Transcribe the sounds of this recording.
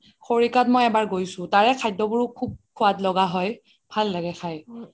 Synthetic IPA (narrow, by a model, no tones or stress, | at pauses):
xoɹikatmɔjɛbaɹɡojsʊ̃taɹɛkʰajdɔbuɹʊkʰub̚kʰʊatlɔɡaɦɔj | b̥ʱalːaɡɛxʰaj